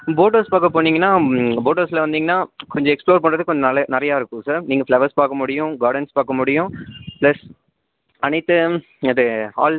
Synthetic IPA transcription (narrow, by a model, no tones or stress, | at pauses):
boːʈɐɾspaːkɐp̬oːniːŋɡɐnːaːboːʈɐɾsɪlɐʋɐnd̪iːŋɡɐnːaːkɔɲd͡ʒɔ̃ɛksploːɾpɐɳɾɐðɯkːɔɲd͡ʒɔnɐlɐnɐɾɐjaːɪɾɯkːʊ̃saːɾniːŋɡɐflɐʋɐɾspaːkɐmʊɽɪjʊ̃ɡaːɾɖɐnspaːkːɐmʊɽɪjʊ̃plɐs | ɐnɐɪt̪ːɯ | ɐðɯaːl